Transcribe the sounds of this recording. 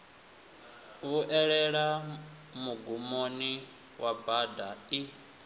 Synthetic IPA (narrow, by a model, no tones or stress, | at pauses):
βuʔɛɺɛɺa | muɡumoni | wabadai